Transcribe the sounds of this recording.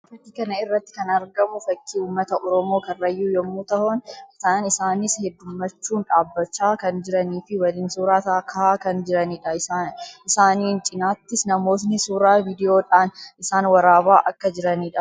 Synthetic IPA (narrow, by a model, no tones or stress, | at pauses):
fɐt̪ːikɐnɐɪrːɐt̪ːɪ̥kɐnɐɾɡɐmʊfɐkʰːiːuːmːɐt̪ɐʔɔɾɔmo̞ːkɐrrːɐjːuːjɔmːuːt̪ɐhɔnt̪aːnɪsaːnɪshɛd̪ːʊmːɐt͡ʃːuːnᶑaːbːɐt͡ʃːaːkɐnd͡ʒɪɾɐniːfɪwɐlɪnsuːɾaːt̪akʰɐhaːkɐnd͡ʒɪɾɐniːᶑɐɪsaːnɪsaːniːnt͡ʃʼɪnaːt̪ːɪsnɐmo̞ːs̬nɪsuːɾaːviːd̪ɪjo̞ːᶑaːnɪsaːnwɐɾaːbaːʔɐkːɐd͡ʒɪɾɐniːᶑɐ